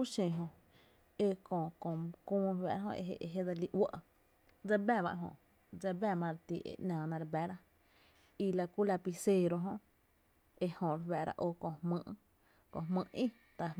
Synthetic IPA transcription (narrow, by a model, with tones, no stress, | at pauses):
u˦ʃẽ˧ɦõ˧ | e˧kõ˧˨kõ˨kũː˦ɾwɛ̰˧˨ɾa˦õ̰˧ḛ˧ɦḛ˧ʔe˧ɦe˦d̪a˧li˧ʔwə˦˨ʔ | d͡za˧bɛ˦˧˨βa̰˧ʔɦõ̰˧˨ | d͡za˧bɛ˦˧˨mã˧ɾe˧t̪ḭ˧˨ʔḛ˨˧ʔnãː˨nã˧ɾe˧bɛ˦ɾa˦ | i˧la˧ku˦la˧pi˧se˦˧ɾo˧ɦõ˧ʔ | e˧hõ˨ɾe˧wɛ˨ɾa̰˧ʔo˧kõ˧˨hmɨ̃˧˦ʔ | kõ˧˨ɦmɨ̃˧ʔʔĩ˦ | t̪a˧˨